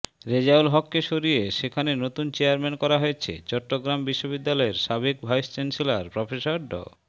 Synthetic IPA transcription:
ɾed͡ʑaulɦɔkːeʃoɾieʃekʰanenot̪unt͡ɕeaɾmɛnkɔɾaɦojet͡ɕʰḛt͡ɕɔʈːoɡɾambiʃːobid̪ːalɔeɾʃabekbʱajst͡ɕensilaɾpɾɔfesaɾɖɔ̰

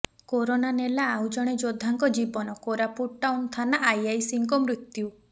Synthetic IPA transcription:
koɾonanelaːwd͡ʒɔɽ̃ed͡ʒod̪ʱːaŋkɔd͡ʒibɔnɔkoɾapuʈ̚ʈawnt̪ʰanaʔajajsiŋkɔmɾut̪ju

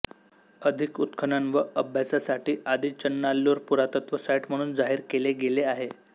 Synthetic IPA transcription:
əd̪ʱikut̪kʰənənʋəʔəbʱjasasaʈiːʔad̪ʱiːt͡ɕənːalːoːɾpuɾat̪ət̪ʋəsajiʈm̤əɽ̃uːnd͡zaɦiːɾkeleɡeleaɦe

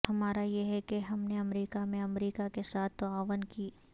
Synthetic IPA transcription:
hɐmaːɾajeɦɛkeɦɐmneɐmɾiːkamẽɐmɾiːkakesaːt̪̚ʰːoaːʋənkiː

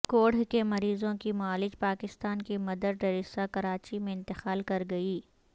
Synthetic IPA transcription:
koːɽ̤kemɐɾiːzõkimʊaːlɪd͡ʒpaːkɪst̪aːnkimɐd̪əɾɖɐɾɪsakɐɾaːt͡ʃimẽɪ̃nt̪ɪxaːlkɐɾɡɐiː

